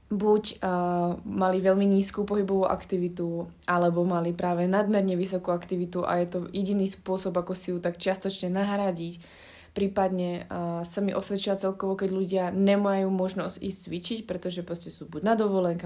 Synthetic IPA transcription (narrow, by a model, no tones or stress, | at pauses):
buɟ | maliʋɛʎmiɲiːskuːpɔɦibɔʋuːʔa̰kt̪iʋit̪uʔalɛbɔmalipɾaːʋɛnad̪mɛɾɲɛʋisɔkuakt̪iʋit̪uʔa̰jɛt̪ɔjɛɟiniːspʊɔsɔbakɔsijut̪akt͡ʃɪast̪ɔt͡ʃɲɛnaɦɾaɟic | pɾiːpad̪ɲɛsamiʔɔsʋɛt͡ʃiat͡sɛlkɔʋɔkɛɟʎuɟɪaɲɛmajuːmɔʒnɔzɟḭːst͡sʋit͡ʃicpɾɛt̪ɔʒɛpɾɔscɛsuːbuɟnad̪ɔʋɔlɛŋka